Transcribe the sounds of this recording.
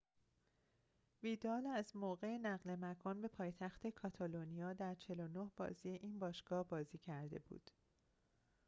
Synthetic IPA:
viːd̪ɒːlæzmoːɣe̞enæɣle̞mækʰɒːnbe̞pʰɒːjet̪ʰæxt̪ʰe̞kʰɒt̪ʰɒlonijɒːd̪æɾt͡ʃʰe̞lo̞nohb̥ɒ̰ːziːjeʔiːnbɒːʃɡ̥ɒːhbɒːziːcʰæɾd̪e̞̰bṵːd̪̥

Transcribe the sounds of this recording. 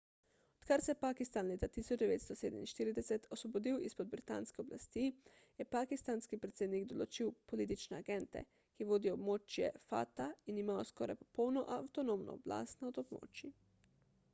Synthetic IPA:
ɔt̪kaɾsɛpakist̪anleːt̪at̪isɔd͡ʒd̪ɛʋeːt̪st̪ɔseːd̪ɛminʃt̪iːɾid̪ɛsɛt̪ʰosʋɔbod̪iwispɔd̪̚bɾit̪a̰nskɛobla̰st̪i | jɛpaːkist̪anskipɾet̪seːd̪niɡd̪ɔlot͡ʃiwpoliːt̪̬it͡ʃnɛaɡɛnt̪ɛ̰ | kiʋoːd̪iobmoːt͡ʃjɛ̰fa̰t̪ainimaːɔskɔːɾa̰jpɔ̥pɔwnɔʔawt̪ɔnomnɔ̰ːbla̰ːst̪naod̪obmo̰ːt͡ʃi

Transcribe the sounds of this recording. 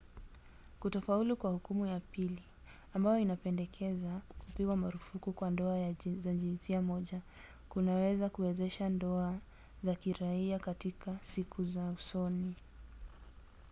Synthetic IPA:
kutɔfaulukwahukumujapili | ambajɔinapɛndɛkʰɛzakʰupiɡwamaɾufukukwandɔajzaʄinsiamɔʄa | kunawɛzakuwɛzɛʃandɔa | zakiɾaiakatikasikʰuzausɔni

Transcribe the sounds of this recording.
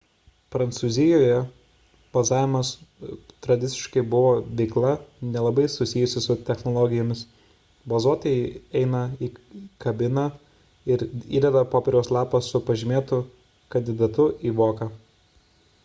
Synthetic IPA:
pɾɐnt̪suzʲɪjoːjɛ | b̥ɐzɑːʋʲɪmɐst̪ɾɐd̪ʲɪt̪sʲɪ̥ʃkɐɪbʊʋoːʋʲɛɪklˠɐnʲɛlˠɐbɐɪsʊsʲɪːjʊsʲɪsʊt̪ʲɛxnoːlˠɔɡʲɪjoːmʲɪs | bɐzuɔt̪ɐjɛɪɛɪnɐiːkɐbʲɪnɐ | ɪɾḭːd̪ʲɛd̪ɐpoːpʲɛɾʲɛʊslˠɑːpɐsʊpɐʒʲɪmʲeːt̪ʊ | kɐnʲd̪ʲɪd̪ɐt̪ʊʔiːʋoːkɑ

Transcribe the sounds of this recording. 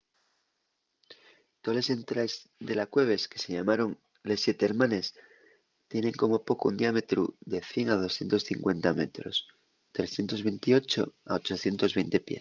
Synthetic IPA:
t̪ole̞se̞nt̪ɾazd̪e̞lakwe̞β̞e̞ske̞̥se̞ʝamaɾo̞ŋ | le̞sːje̞t̪eeɾmãne̞s | t̪je̞nẽ̞ŋko̞mo̞po̞koṵnd̪iame̞t̪ɾṵðe̞θje̞ŋað̞o̞sθje̞nt̪o̞sθiŋkwe̞nt̪ame̞̰t̪ɾo̞̰s | t̪ɾe̞sθje̞nt̪o̞zβe̞nt̪io̞t͡ʃo̞a̰ot͡ʃo̞θje̞nt̪o̞zβejnt̪e̞pjḛ

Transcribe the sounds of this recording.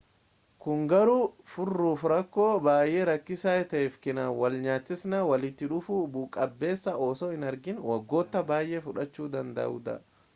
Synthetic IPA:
kʊŋɡɐɾuːfʊrːuːfɾɐkːoːbaːjʔeːɾɐkːɪsaːjɛt̪ɐefkɪnawɐlɲaːt̪ːɪsnawɐlɪt̪ːɪᶑʊfuːbuːkʼɐbːe̞ːsːɐoːsɔːhɪnɐɾɡɪnwɐɡːo̞ːt̪ːɐbaːjʔefʊᶑɐt͡ʃːuːd̪ɐnd̪ɐ̰ʊ̰d̪ɐ̰

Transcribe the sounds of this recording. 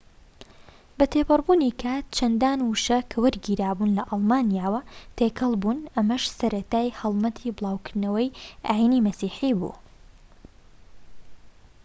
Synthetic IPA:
bɐt̪ʰeːpɨrˤbuːnikʰaːt̪̚t͡ʃʰɐnd̪aːnwuʃɐkʰɐwɐɾɡiːɾaːbuːnlɐʔɑlˠmaːnijaːwɐt̪ʰeːkʰɐlˠbuːnʔɐmɐʃsɐɾɐt̪aːjhɐlˠmɐt̪ʰiːbɨlˠaːwkɨɾnɐwɐjʔaːjinimɐsiːħibṵː

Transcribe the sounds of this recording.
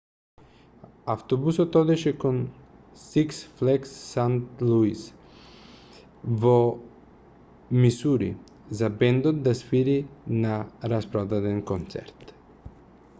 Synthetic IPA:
aft̪obusɔt̪ɔd̪ɛʃɛkon | siksflɛksːant̪lˠuis | vo | misuɾḭ | zabɛnd̪ot̪̚d̪asfiɾinaɾaspɾɔd̪ad̪ɛnkont̪sɛ̰ɾt̪

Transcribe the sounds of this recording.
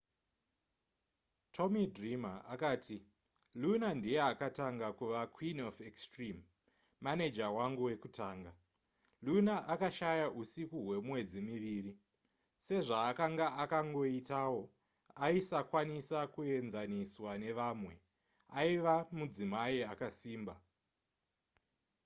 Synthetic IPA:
tʰo̞midrima̰akaːtʰi | lunandijeakataŋɡakuʋakʰwinofekstrimː | aned͡ʒawaŋɡuwe̞kutʰaːŋɡa | lunaʔakaʃajaʔusikuɦwe̞mwe̞d͡zimiʋiːri | se̞ʐaːkaŋɡaakaŋɡo̞itawo̞ | aisakwanisakue̞nzaniswane̞ʋaːmwe̞ | aiʋamud͡zimaiakasiːmba

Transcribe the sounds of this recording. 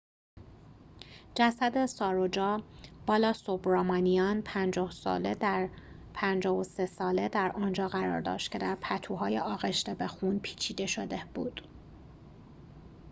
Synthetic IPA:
d͡ʒæsæd̪e̞sɒːɾod͡ʒɒːb̥ɒːlɒːsobɾɒːmɒnijɒːnpʰænd͡ʒɒːhsɒ̰ːled̪æɾ | pʰænd͡ʒɒːvosesɒːle̞d̪æɾʔɒːnd͡ʒɒːɣæɾɒ̰ːɾd̪ɒ̰ːʃt̪kcʰe̞d̪æɾpʰæt̪ʰuɦɒːjeʔɒːɣe̞ʃt̪ebe̞xuːnpʰi̥ːt͡ʃʰiːd̪e̞ʃo̞d̪e̞b̥ṵːd̪̥

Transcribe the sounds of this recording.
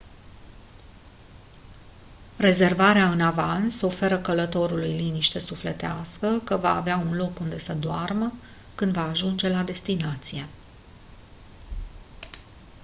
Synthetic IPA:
re̞ze̞rvaɾeaɨnavanso̞fe̞ɾəkələt̪o̞ɾulujliniʃt̪e̞suflet̪easkəkəva̰ːveaunlo̞kund̪e̞səd̪oarmə | kɨnd̪vaːʒund͡ʒe̞lad̪e̞st̪inat̪sije̞

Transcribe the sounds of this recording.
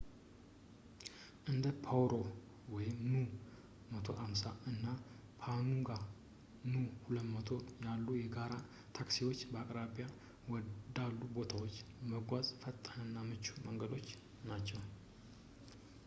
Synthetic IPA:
ʔɨnd̪əpʰawɾo̞ | wɔjɪmnu | mət̪ʰo̞̰ʔamsaɨnːa | pʰanuɡa | nuhulət̪mət̪ʰo̞jalːujɛɡaɾa | t̪ʰaksiwo̞t͡ʃːbəakʼɾabija | wɔd̪alːubo̞t̪ʰawot͡ʃːməɡʷazʼfət̪ʼːanɨnːamɨt͡ʃːuməŋɡəd̪o̞t͡ʃː | nat͡ʃːɛw

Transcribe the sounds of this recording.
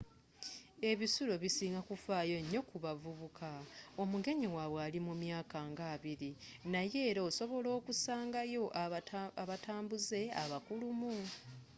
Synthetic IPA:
e̞βisulo̞βisiːŋɡakufaːjo̞ɲːo̞kuβavuβukʰao̞muɡe̞ɲiwaβwealimumjaːkaŋɡaːβiɾinaje̞ːɾooso̞βo̞lo̞ːkusaːŋɡajo̞ʔaβataːmbuze̞a̰βakulumu

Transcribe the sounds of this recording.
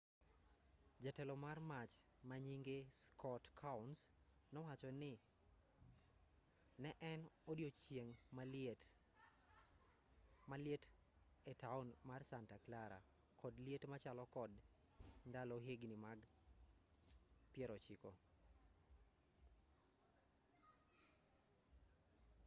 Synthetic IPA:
d͡ʒatɛlɔmarmat͡ʃ | maɲiŋɡeskʰɔtkʰans | nɔwat͡ʃɔnɪ | nɛʔɛnodjot͡ʃeŋ | maljet | ɛtaʊnmarsantaklaɾa̰ | kʰɔdljetmat͡ʃalɔkɔd | ndalɔɦeɡnimaɡ | pjɛɾɔt͡ʃikɔ

